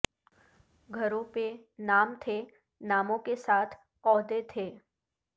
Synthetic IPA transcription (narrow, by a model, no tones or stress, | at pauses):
ɡʱəɾõpenaːmt̪ʰe | naːmõkesaːt̪ʰ | ɔːɦd̪et̪ʰeː